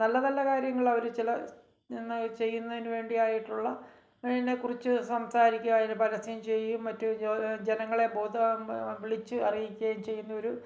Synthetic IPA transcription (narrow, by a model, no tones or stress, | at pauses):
nɐlːɐnɐlːɐkaːɾjɐŋːɐɭɐoɾut͡ɕilɐ | nːɨt͡ɕe̞jːunːɐðinuʋe̞ːɳɖijaːjiʈːuɭːɐ | inːe̞kurit͡ɕːɨsɐmsaːɾikʲːuaːjinpɐɾɐsijumt͡ɕe̞jːumːɐtːud͡ʑenɐŋːɐɭe̞bo̞ːd̪ɨʋiɭit͡ɕːɨɐrijikʲːuɐjnt͡ɕe̞jːunːɐo̞ɾu